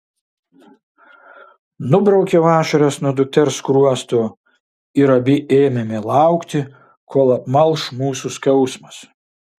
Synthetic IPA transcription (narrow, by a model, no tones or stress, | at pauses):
nʊbɾɐʊkʲɛʋɑːʃɐɾʲɛsnuɔd̪ʊk̚t̪ʲɛɾskɾuɔst̪oː | ɪɾɐbʲɪʔeːmʲɛmʲɪlˠɑˑʊkt̪ʲɪ | kʰoːlˠɐpmɐlˠˑʃmuːsuskɛʊsmɐs